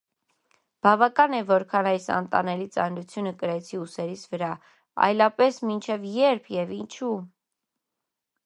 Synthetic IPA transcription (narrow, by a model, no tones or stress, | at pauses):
b̥ɑvɑkɑnɛvɔɾkʰɑnɑjsɑ̰nt̪ɑ̰nɛlit͡sɑ̰nɾut͡sʰjunəkəɾɛt͡sʰiusɛɾit͡sʰvəɾɑ | ɑ̰jlɑpɛsmint͡ʃʰɛvjɛɾpʰjɛvint͡ʃʰu